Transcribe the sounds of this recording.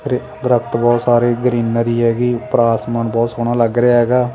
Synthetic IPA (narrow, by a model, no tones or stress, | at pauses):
ɾe | d̪ɾəkʰt̪bɔːt̪saːɾeːɡɾiːnəɾiːɦɛːɡiːpɾaːsməɳbɔːt̪soːɽ̃ãːləɡɾeaːɦɛːɡaː